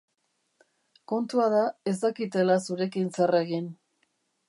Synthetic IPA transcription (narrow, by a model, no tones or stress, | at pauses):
ko̞nt̪uaðae̞zd̪akit̪e̞lasuɾe̞kinsereɣin